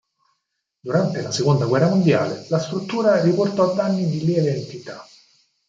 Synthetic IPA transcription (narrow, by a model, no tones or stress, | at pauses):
d̪uɾant̪elasekond̪aɡwɛrːamond̪ja̰ːlelast̪ɾut̪ːuːɾariport̪ɔad̪ːanːid̪ilileːnt̪it̪a